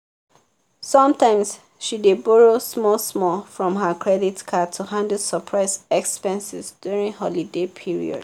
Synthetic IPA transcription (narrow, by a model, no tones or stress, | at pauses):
sɔ̃mtãɪ̃ms | ʃidebɔɹosmɔsmɔlfɹɔ̃mɦakʰɹɛditkʰatʰuhãndəsəpʰɹaɪsɛkspɛ̃nsɪsd̥juɹĩŋhɔlidepʰiɹḭɔ̰d̥